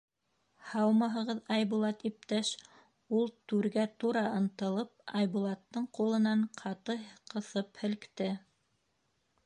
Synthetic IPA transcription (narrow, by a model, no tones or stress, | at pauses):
hɑwmɑɦɤ̆ʁɤðɑjβulˠɑt̪ip̚t̪æʃ | ulˠt̪ʉɾɡæt̪uɾɑɤ̆nt̪ɤ̆lˠɤp̚ɑjβulˠɑt̪ːɤɴqulˠɤ̆nɑɴqʰɑt̪ɤqɤ̆θɤphɘ̆lkt̪ɘ